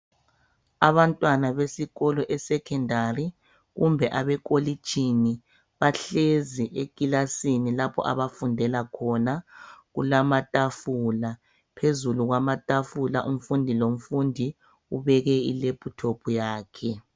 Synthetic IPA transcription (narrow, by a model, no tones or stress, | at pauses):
aβantʼwanaβesiɣɔlɔʔɛsɛkʰɛndʱari | ɣumbʱɛʔaβɛkʼoli̥t͡ʃʼini | βaɬeziʔekʼilasinilapʰɔ̰ʔa̰βafundʱɛlakʰɔnaɣṵlamatʼafuːla | pʰezuluɣwamatʼafulaʔum̩fundʱilom̩fundʱi | uβɛɣɛilepʼʰutʰopʰujaːkʰɛ